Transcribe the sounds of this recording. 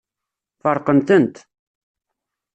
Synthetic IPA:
fəɾˤqənt̪ənt̪

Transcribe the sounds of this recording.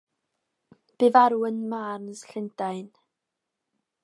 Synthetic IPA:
b̥evaɾwənmarnəsɬɪndajn

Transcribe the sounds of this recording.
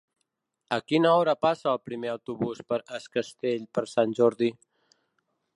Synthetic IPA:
əkinaɔɾapasalpɾimeawt̪ubuspəɾəskəst̪eʎpəɾsanʲd͡ʒoɾd̪i

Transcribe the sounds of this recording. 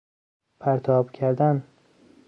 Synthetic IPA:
pʰæɾt̪ʰɒːbcʰæɾd̪æn

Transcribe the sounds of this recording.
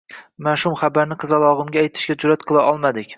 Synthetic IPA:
manʃʊmχabaɾnɪqʰɨzalˠɒʁɨmɡʲaːjt̪ʰɪ̥ʃkʲad͡ʒʊɾat̪qʰɨlˠaʔɒlˠmad̪ɪkʲ

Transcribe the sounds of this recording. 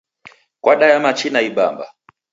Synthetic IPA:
kwaɗajamat͡ʃinaiɓa̰mba̰

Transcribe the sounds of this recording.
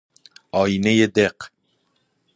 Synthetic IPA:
ɑːjinejed̪eq

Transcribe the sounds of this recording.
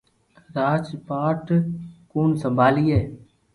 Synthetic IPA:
ɾaːd͡ʒpaːʈkuːnsə̃mbʱaːliːɦɛː

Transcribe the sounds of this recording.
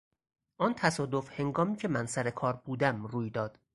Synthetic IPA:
ʔɒːnt̪ʰæsɒːd̪o̞fhe̞ŋɡɒːmiːcʰe̞mænsæɾe̞kʰɒːɾbuːd̪æmruːjd̪ɒːd̪̥

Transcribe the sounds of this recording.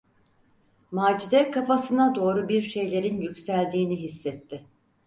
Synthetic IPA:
maːd͡ʒid̪ɛkʰafasɯnad̪o̞ːɾubiɾʃe̞jlʲe̞ɾinjycsælʲd̪iːniɦisːɛt̪ʰːɪ

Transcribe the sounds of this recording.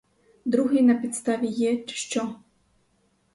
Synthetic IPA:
d̪ɾuɦɪjnɐpʲit̪st̪aʋʲijɛʃt͡ʃɔ

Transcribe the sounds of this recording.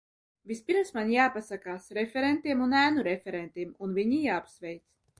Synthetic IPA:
vispiɾmsmanjaːpasakaːsɾɛfʲɛɾɛnt̪iɛmunæːnuɾɛfʲɛɾɛnt̪iɛmunviɲijaːpsvʲɛjt̪s

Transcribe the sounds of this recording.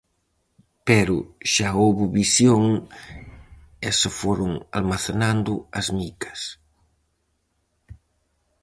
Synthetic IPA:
pɛɾʊʃaowβuβisjoŋ | ɛsefoɾʊŋa̰lmaθenand̪ʊɐzmikɐ̥s

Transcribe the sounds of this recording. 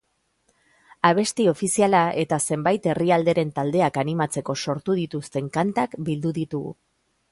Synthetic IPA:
aβ̞e̞st̪io̞fisialaʔe̞t̪ase̞mbajt̪e̞riald̪e̞ɾe̞nt̪ald̪e̞akanimat͡se̞ko̞so̞ɾt̪uðit̪ust̪e̞ŋkant̪akbild̪uðit̪uɣṵ

